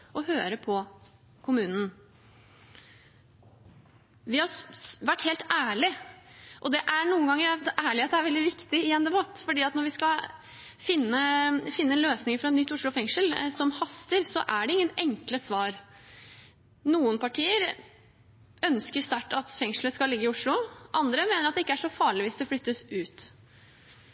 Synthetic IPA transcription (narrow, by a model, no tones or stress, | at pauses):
ʔɔhøːɾəpʰɔ | kʰʊmʉːnn̩ | ʋɪhɑʋæʈːheːlt̪æːɭɪʔɔd̪ɛʔæɳuːənɡɑŋːəɾtæːɭɪɑt̪d̪ɛæɾʋɛld̪ɪʋɪkt̪ɪɪɛnd̪ɛbɑt̪ːfɔɖiːɑt̪nɔɾʋɪskɑ | fɪnːəfɪnːəɛnløːsnɪŋəɾfɾɑɛt̪nʏt̪ːʊʂɭʊfɛŋʂəlsɔmhɑst̪əɾsɔʔæɖɛɪŋːənɛŋkləsʋɑːɾ | nuːənpɑʈʰiːəɾ | œnskəst̪æʈːɑt̪fɛŋʂl̩əskɑllːɪɡːəɪʊʂɭʊʔɑnd̪ɾəmeːnəɾɑt̪d̪ɛɪkːəæʂɔfɑːɭɪʋiːsd̪ɛflʏt̪ːəsʉːt̪